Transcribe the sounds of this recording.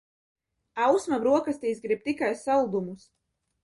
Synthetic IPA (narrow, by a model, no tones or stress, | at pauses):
awsmabɾuɔkast̪iːzɡɾib̚t̪ikajsalˠud̪umus